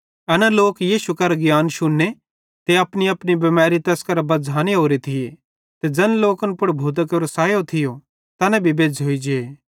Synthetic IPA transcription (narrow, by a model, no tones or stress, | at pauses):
ɐnɛloːkjiːʃukɐɾɡjaːnʃʊnːe | t̪eɐpniɐpnibɐmɛːɾit̪ɐskɐɾbɐd͡zʱaːneɦoːɾit̪ʰɪje | t̪ed͡ʒɐnloːkənpʊɽbʱuːt̪̬əkɐɾosaːjot̪ʰɪjo | t̪ɐnɛ̃bʱibeːd͡ʒɦoid͡ʒeeː